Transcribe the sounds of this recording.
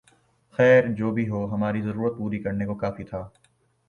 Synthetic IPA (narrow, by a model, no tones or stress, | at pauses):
xɛːɾd͡ʒoːbʱiɦoːɦɐmaːɾizɐɾuːɾət̪̚puːɾikɐɾnekokaːfit̪ʰaː